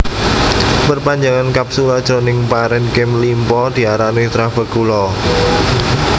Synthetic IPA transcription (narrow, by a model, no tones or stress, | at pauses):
pərpaɲd͡ʒaŋankap̚sulad̥ʒ̥o̤nɪŋpaɾɛnkɪmlimpɔd̪̥i̤aɾanuit̪ɾab̥ə̤ɡulɔ